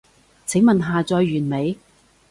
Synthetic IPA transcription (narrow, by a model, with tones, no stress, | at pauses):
t͡sʰɪ˨˥ŋmɐ˨nɦaː˨˧t͡sɔː˧jːyː˨˩nme˨˧j